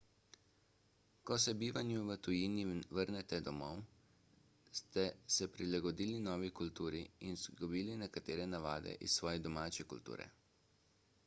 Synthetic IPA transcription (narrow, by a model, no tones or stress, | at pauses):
kɔsɛbiːʋanjuʋət̪ujiːniʋəɾnɛt̪ɛd̪ɔmɔw | st̪ɛsɛpɾilaɡɔd̪iːlinɔːʋikult̪uːɾiinzɡɔbiːlinɛkat̪eːɾɛnaʋaːd̪ɛ̰ʔissːʋɔːjɛd̪ɔmaːt͡ʃɛkṵlt̪ṵːɾɛ̰